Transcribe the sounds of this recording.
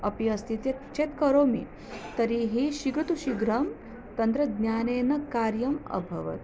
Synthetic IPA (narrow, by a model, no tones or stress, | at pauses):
ɐpiɐst̪ʰit̪jet͡ʃet̪kɐɾoːmḭ | t̪ɐɾiɦiʃiɡɾut̪uʃiɡɾɐm | t̪ɐnt̪ɾɐd̪njaːneːnɐkaːɾjɐmɐ̰bʱɐ̰ʋɐ̰t̪